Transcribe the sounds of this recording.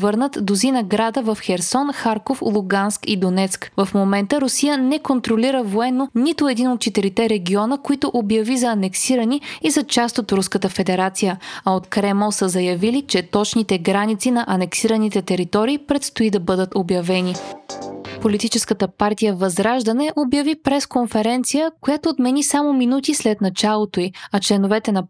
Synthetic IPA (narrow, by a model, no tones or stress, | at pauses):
vɤɾnət̪d̪ʊzinɐɡɾad̪əvɐfxɛɾsɔnxaɾkoflˠuɡanskid̪onɛt̪skvɐfmomɛnt̪əɾʊsijənɛkont̪ɾoliɾəvoɛnːonit̪ʊɛd̪inot̪̚t͡ʃɛt̪ɛɾit̪ɛɾɛɡʲiɔnəkoit̪ʊʔobjɐvizɐːnɛksiɾəniːzɐt͡ʃast̪ot̪ɾuskət̪əfɛd̪ɛɾat̪sijəɐot̪kɾɛmlˠsəzɐjɐvilit͡ʃɛt̪ɔt͡ʃnit̪ɛɡɾanit̪sinɐʔɐnɛksiɾənit̪ɛt̪ɛɾit̪ɔɾiːpɾɛt̪st̪ʊid̪ɐbɤd̪ət̪objɐvɛni | polit̪it͡ʃɛskət̪əpaɾt̪ijəvvɐzɾaʒd̪ənɛʔobjɐvipɾɛskonfɛɾɛnt̪sijəkojat̪oːt̪mɛnisamominut̪islɛt̪nɐt͡ʃalˠot̪oiɐt͡ʃlɛnovɛt̪ɛnɐ